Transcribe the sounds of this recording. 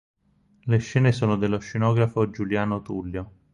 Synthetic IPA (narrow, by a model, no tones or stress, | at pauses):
leʃːɛːnesoːnod̪elːoʃːenɔːɡɾafod͡ʒuljaːnot̪ulːjo